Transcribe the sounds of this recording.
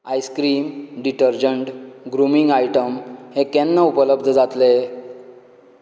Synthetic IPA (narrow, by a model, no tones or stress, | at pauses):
ajskɾiːmɖiʈəɾd͡ʑəɳʈɡɾumiŋɡajʈəmhekɛ̃nːaupələb̚d̪ʱəd͡zat̪le